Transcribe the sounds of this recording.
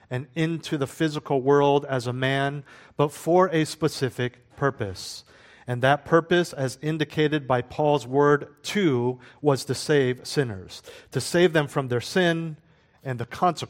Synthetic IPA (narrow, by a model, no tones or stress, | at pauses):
ɨ̃nɪ̃ntʰʉðəfɪzəkl̩ˠwɜ˞lˠdɨzəmæ̃nb̥ʌtfə˞ɨspəsɪfɪk̚pʰɜ˞pɨs | ɨ̃nðɨt̚pʰɜ˞pɨsɨzɪ̃ndɨkʰeɪɾɨd̚baɪpʰɔlˠzwɜ˞d̚tʰʉwʌz̥tʰɨseɪv̥sɪ̃nə̰˞z̥tʰɨseɪvðɨ̃ɱfɹʌ̃mðə˞sɪ̃n | ɨ̃nðɨkʰɑ̃nsək